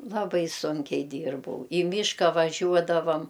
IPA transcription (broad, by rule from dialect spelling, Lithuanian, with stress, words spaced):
lˠɐˈbɐɪ ˈsʊŋʲkʲɛɪ ˈdʲiːrbɐʊ iː ˈmʲiːʃkɐ ʋɐˈʒʲuɔdɐʋɐm